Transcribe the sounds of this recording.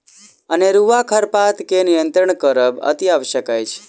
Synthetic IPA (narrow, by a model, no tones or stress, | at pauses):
əneɾuʋakʰəɾpat̪kenijənt̪ɾəɳ̃kəɾəbə̰t̪iaʋʃəkajt͡ʃʰ